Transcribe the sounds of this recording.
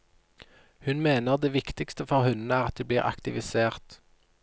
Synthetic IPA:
hʉnmeːnəʁd̪eːʋɪkt̪ɪkst̪əfɔʁhʉn̩æːʁɑt̪̚d̪eːbliːʁʔɑ̰kt̪ɪʋɪseːʁt̪

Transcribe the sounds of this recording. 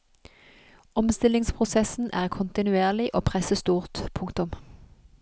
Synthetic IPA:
ɔmst̪ɪlɪŋspʰʁʊsɛsn̩ʔæːʁkʰʊnt̪ɪnʉeːʁlɪʔoːpʰʁɛsəst̪uːʁt̪pʰʊŋkt̪ʊm

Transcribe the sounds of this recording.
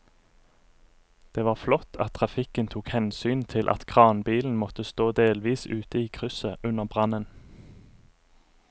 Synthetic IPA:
d̪̥eːʋɑːʁflɔt̪ʰɑ̰t̪̚ʰʁɑfɪkənt̪ʰuːkhɛnsyːnt̪ʰɪlʔɑ̰t̪kʰʁɑːnbiːln̩mɔt̪əst̪oːd̪eːlʋiːsʉːt̪əiːkʰʁʉsəʔʉnəʁbʁɑnən

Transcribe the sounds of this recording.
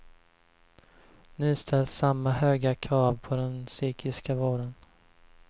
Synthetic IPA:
nyːst̪ʰɛlsamːahøːɡakʰɾɑːvpʰɔd̪ɛnsyːkʰɪskavoːɖən

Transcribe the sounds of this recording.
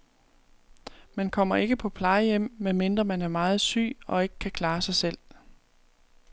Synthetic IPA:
mænkʰɒ̽m̰ɐe̝ɡ̥əpʰɒ̽pʰlɑ̈ɪəjem̰menme̝nd̥ʁɐmænæɐmɑ̈ːð̞̩ˠsy̰ːɒ̽e̝ɡ̥ə̥kʰːækʰlɑ̈ːsɑ̈ɪsel̰

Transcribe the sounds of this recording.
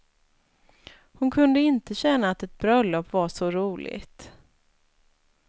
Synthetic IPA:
hʊnkʰɵnd̪əɪnt̪əɕɛnːaːt̪ɛt̪̚bɾœlːɔpːvaʂɔɾuːlʔɪ̰ɡt̪

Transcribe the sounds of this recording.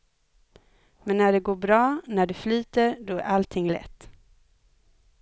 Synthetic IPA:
mɛnːæɖɛɡoːɾbɾɑːnæɖɛflyːt̪əɾɖɔæ̰ɾʔalt̪ʰɪŋːlɛ̰t̪ː

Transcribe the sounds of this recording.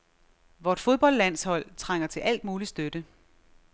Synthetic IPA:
ʋɒːd̥fo̝ð̞ˠb̥ɒ̽l̰d̥læn̰shɒ̽l̰t͡sʰʁaŋ̰ɐt͡sʰe̝lʔæl̰d̥̚muːlisd̥ød̥ə

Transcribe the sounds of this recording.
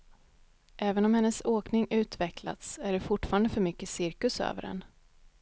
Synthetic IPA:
ʔɛːvənɔmhɛnːəsoːknɪŋʉ̟ːt̪vɛkla̰t̪sæɖɛfʊʈːfɑːɾand̪əfœɾmʏkːəsɪɾkɵsø̰ːvə̰ɾɛ̰n

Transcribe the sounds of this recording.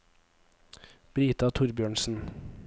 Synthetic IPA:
b̥ɾiːt̪ɑːt̪ʰʊɾbjøːɳsn̩

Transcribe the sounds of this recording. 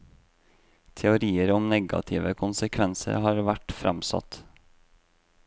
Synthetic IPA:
t̪ʰɛʊɾiːəɾɔmnɛɡɑ̰t̪ʰɪʋəkʰʊnsəkʰʋɛnsə̰ɾhɑːɾʋæʈfɾɛmsɑ̰t̪

